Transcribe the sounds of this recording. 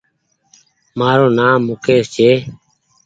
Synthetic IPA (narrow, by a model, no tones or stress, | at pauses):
maːɾoːnaːmːʊkʰeːst͡ʃʰeː